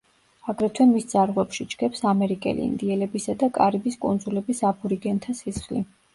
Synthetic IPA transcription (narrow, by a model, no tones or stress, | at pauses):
aɡɾɛt̪ʰwɛnmist̪sʼaɾʁwɛpʃid͡ʒɡ̥ɛpsamɛɾikʼɛ̰lḭḭnd̪iɛlɛbisad̪akʼaɾibiskʼṵnd̪zulɛbisapʰuɾiɡɛnt̪ʰasisχlḭ